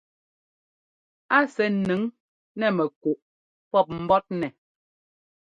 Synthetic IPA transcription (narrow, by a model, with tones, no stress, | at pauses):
a˦sɛ˨nɨ˨˦ŋ | nɛ˦˨mɛ˨kuo˨ʔ | pɔ˦˨p̚m̩˦bɔ˦t̚nɛ˨